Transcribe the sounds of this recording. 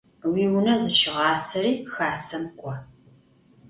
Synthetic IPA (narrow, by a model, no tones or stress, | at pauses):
wiːwʊnɐzɨʃɪʁɑːsɐriːxaːsɐmkʷʼɔ